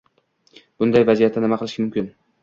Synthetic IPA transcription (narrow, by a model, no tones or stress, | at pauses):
b̥ʊnd̪ajvazijat̪ʰːanɪmaqʰɨlˠɪʃkʲamʊmkʲɪn